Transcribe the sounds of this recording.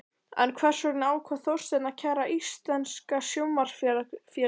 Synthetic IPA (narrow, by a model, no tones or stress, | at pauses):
ɛ̰nkʰvɛr̥sɔɾɪnaːwkʰvaθowr̥st̪ɛnacʰɛraʔist̪lɛnskasjowmar̥fjɛ